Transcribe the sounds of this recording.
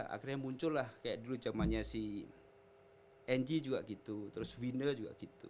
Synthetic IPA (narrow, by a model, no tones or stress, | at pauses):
a̰kirɲamuɲt͡ʃʊlːahkajaʔdulud͡ʒamanɲasih | ɛnd͡ʒid͡ʒuɡaʔɡit̪ut̪əɾʊswinəd͡ʒuɡa̰ɡit̪ṵ